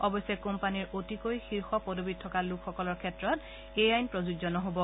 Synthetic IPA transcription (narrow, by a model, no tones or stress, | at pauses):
ɔbɔjsɛkompaniɹotikojxiɹxɔpɔdobid̚tʰɔkalukʰxɔkɔlɔɹkʰɛtɹɔt | ejajnpɹɔzuɡzɔnɔɦobɔ